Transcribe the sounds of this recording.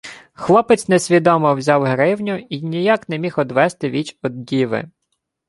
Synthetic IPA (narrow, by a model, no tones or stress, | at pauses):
xlˠɔpɪt͡sʲnɛsʲʋʲid̪ɔmɔwzʲɑwɦɾɪwnʲʊinʲijaknɛmʲixɔd̪ʋɛst̪ɪʋʲit͡ʃɔd̪dʲiʋɪ̰